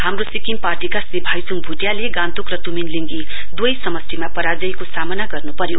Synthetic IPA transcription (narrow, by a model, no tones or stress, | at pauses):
hamrosikiŋparʈikasibʱajsuŋbʱuʈjaleɡãnt̪ukrʌt̪uminliŋɡi | d̪wojsʌmʌst̪ʰimapʌɾad͡zʌjkosamʌnaɡʌrnupʌɾjo